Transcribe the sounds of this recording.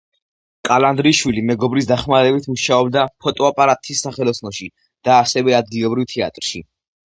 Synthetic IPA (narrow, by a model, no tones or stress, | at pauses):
kʼaland̪ɾiʃwilimɛɡɔbɾisd̪aχmaɾɛbit̪ʰmuʃaɔb̚d̪apʰɔt̪ʼɔapʼaɾat̪ʼʰisːaχɛlˠɔsʰnɔʃi | d̪̥aːsɛvɛad̪̚ɡilˠɔbɾivt̪ʰɛa̰t̪ʼɾʃḭ